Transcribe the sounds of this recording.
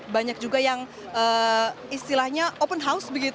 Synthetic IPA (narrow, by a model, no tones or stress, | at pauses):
baɲak̚d͡ʒuɡajaŋ | əist̪ilahɲaʔopənɦausbəɡit̪